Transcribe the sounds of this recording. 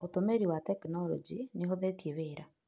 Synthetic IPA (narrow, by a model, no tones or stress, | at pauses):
otomeɾiwatɛkinɔɾɔ̰d͡ʒineɦoðetjeβeːɾa